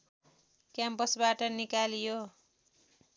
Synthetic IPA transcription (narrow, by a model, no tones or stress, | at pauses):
kjampʌsbaʈʌnikalijo